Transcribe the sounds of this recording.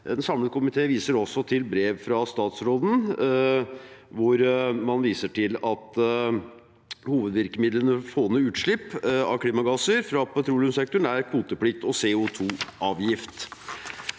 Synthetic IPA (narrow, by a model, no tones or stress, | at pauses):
ɛnsɑmlət̪kʰʊmɪt̪ʰeːʋiːsəɾɔsːɔt̪ʰɪlbɾeːʋfɾɑst̪ɑːt̪sɾoːd̪n̩ | ʋʊɾmɑnʋiːsəʈʰɪlɑt̪ | huːʋəd̪ʋɪɾkəmɪd̪lənəfoːənəʉːt̪ʂɭɪpːɑ̰kʰliːmɑɡɑsəɾfɾɑpɛt̪ʰɾuːlʉmsɛk̚t̪ʊɳæɾkʰuːt̪əpʰɽɪk̚t̪ɔseʊt̪ʰuːʔɑːʋjɪft̪